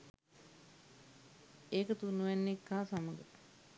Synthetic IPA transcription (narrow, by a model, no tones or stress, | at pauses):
eːkət̪unuʋænːekːaːsaməɡə